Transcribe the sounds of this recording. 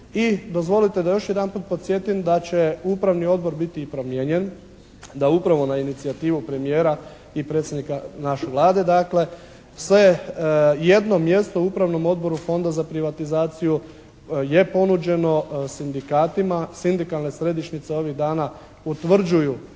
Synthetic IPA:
id̪o̞zʋo̞lit̪e̞d̪ajo̞ʃje̞d̪anpuːt̪̚po̞t̪sʲje̞t̪imd̪at͡ɕe̞upɾaʋnio̞d̪̚bo̞ɾbit̪ipɾo̞mjeɲe̞n | d̪aupɾaʋo̞nainit̪siat̪iːʋupɾe̞mije̞ːɾa | ipɾet̪sje̞d̪nikanaʃeʋlˠaːd̪e̞d̪akle̞ | sʋe̞ | je̞d̪no̞mje̞st̪o̞uupɾaʋno̞mo̞d̪̚bo̞ɾufo̞nd̪azapɾiʋat̪izaːt̪siju | je̞po̞nud͡ʒe̞no̞sind̪ikaːt̪imasind̪ikalˠne̞sɾe̞d̪iʃnit̪se̞o̞ʋiɣd̪aːna | ut̪ʋr̩d͡ʒuju

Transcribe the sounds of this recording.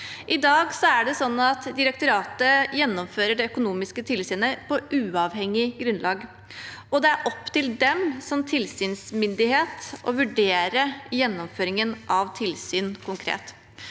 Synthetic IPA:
ʔɪd̪ɑːɡsɔæɖɛsɔnːɑt̪d̪ɪɾɛk̚t̪ʊɾɑːt̪əjɛnːɔmføːɾəɖɛœkʊnuːmɪskət̪ʰɪlsyːnəpʰɔʔʉːɑʋhɛŋːɪɡɾʉnlʔɑːɡ | ɔd̪ɛæɾʔɔpːt̪ɪld̪ɛmsɔmt̪ʰɪlsyːnsmʏnd̪ɪheːt̪ʔɔ̰ʋʉɖeːɾəjɛnːɔmføːɾɪŋənʔɑʋt̪ʰɪlsyːnkʰʊŋkʰɾḛːt̪

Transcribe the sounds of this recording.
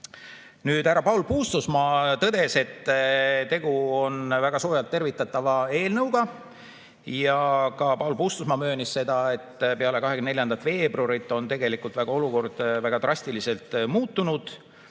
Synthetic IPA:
nyːd̪̥æɾɑpɑwlpuːst̪usmɑt̪ɤd̪̥e̞se̞t̪ːt̪e̞ɡ̥uo̞nvæɡ̥ɑsoːjɑlt̪ːe̞rvit̪ːˑɑt̪ːˑɑvɑe̞ːlnɤwɡɑ | jɑkɑpɑwlpuːst̪usmɑmø̞ːnisse̞d̪̥ɑe̞t̪ːpe̞ɑle̞kɑɦekynneljɑnd̪ɑt̪ve̞ːbroɾit̪ːˑo̞nt̪e̞ɡe̞likult̪væɡ̥ɑo̞luko̞rd̪̥væɡ̥ɑt̪rɑsʲt̪ilise̞lt̪ˑmuːt̪ːunud̪̥

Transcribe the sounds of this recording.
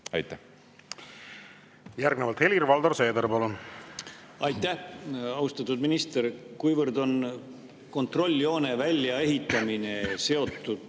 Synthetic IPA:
ɑ̰jt̪ːæ | jærɡnevɑlt̪helʲirvɑld̪orse̞ːd̪eɾpɑlun | ɑjt̪ːˑæhɑust̪ɑt̪ːˑud̪minist̪erkujvərd̪o̞n | ko̞nt̪ro̞lʲːio̞ːne̞vælʲːjɑe̞ɦit̪ːˑɑmine̞se̞o̞t̪ːˑud̪̥

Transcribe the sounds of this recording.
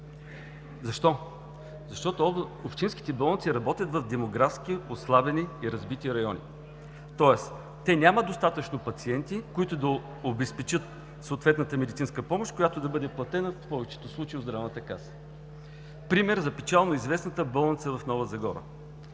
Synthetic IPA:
zɐʃt̪ɔ | zɐʃt̪ɔt̪oopʃt̪inskʲi̥t̪ɛbɐlˠənt̪siɾɐbɔt̪ʲjət̪vɐvd̪ɛmoɡɾafskioslˠabɛniːɾɐzbit̪iɾɐjɔnʲḭ | t̪ɔɛs | t̪ɛnʲaməd̪ost̪at̪ət͡ʃnopɐt̪siɛnt̪ikoit̪ʊd̪ɐ | obɛspɛt͡ʃɤt̪ | soːt̪vɛt̪nət̪əmɛd̪it̪inskəpɔmoʃt̪kojat̪od̪ɐbɤd̪ɛplˠɐt̪ɛnəfpɔvɛt͡ʃɛ̥t̪oslˠut͡ʃeiod̪d̪ɾavnət̪əkasə̥ | pɾimɛɾzɐpɛt͡ʃalˠnoizvɛsnət̪əbɐlˠənt̪səvɐfnɔvəzɐɡɔɾə̰

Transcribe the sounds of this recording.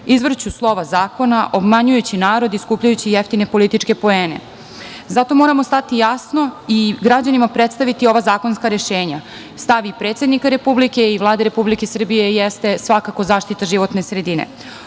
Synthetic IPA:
izʋr̩t͡ɕuslˠo̞ʋazaːko̞naʔo̞bmaɲujut͡ɕinaːɾo̞d̪iskuːpʎajut͡ɕijeft̪ine̞po̞lit̪it͡ʂke̞po̞eːnḛ | zat̪o̞mo̞ɾamost̪at̪ijasno̞iɡɾad͡ʑanimapɾet̪st̪aʋit̪io̞ʋazaːko̞nskaɾe̞ʃeːɲa | st̪aʋipɾe̞ːt̪se̞d̪nikaɾe̞publike̞iʋlˠaːd̪eɾe̞publike̞sr̩bije̞jest̪e̞sʋakakozaːʃt̪it̪aʒiʋo̞t̪ne̞sɾed̪inḛ

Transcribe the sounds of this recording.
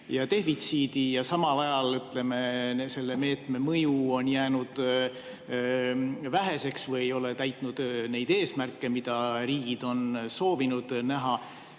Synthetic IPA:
jɑt̪e̞fit̪siːd̪̥ijɑsɑmɑlɑjɑlyt̪le̞me̞se̞lːeme̞ːt̪ˑme̞mɤjuo̞njæːnud̪̥ | væɦe̞se̞ksvɤjejo̞le̞t̪æjt̪ˑnud̪̥ne̞jd̪̥e̞ːsmærkːe̞mid̪̥ɑɾiːɡ̥id̪̥o̞nso̞ːvinud̪̥næɦɑ

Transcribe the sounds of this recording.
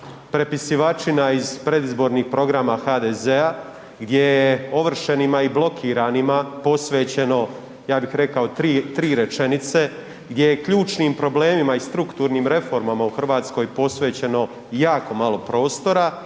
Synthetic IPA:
pɾe̞pisiʋat͡ʃinaiz̥pɾe̞d̪izbo̞ːɾniːxpɾo̞ɡɾamaxaːd̪ezea | ɡd̪je̞jeo̞ʋr̩ʃenimaiblo̞kʰiːɾanimapo̞sʋe̞ːt͡ɕe̞no̞ | jaːbixɾe̞kao̞t̪ɾiːt̪ɾiːɾe̞t͡ʃe̞nit̪se̞ | ɡd̪ʲjejekʎuːt͡ʃniːmpɾo̞ble̞ːmimaist̪ɾukt̪uːɾniːmɾe̞fo̞ɾmamauxr̩ʋaːt̪sko̞jpo̞sʋe̞ːt͡ɕe̞no̞ | jaːko̞malˠo̞pɾo̞ːst̪o̞ɾa

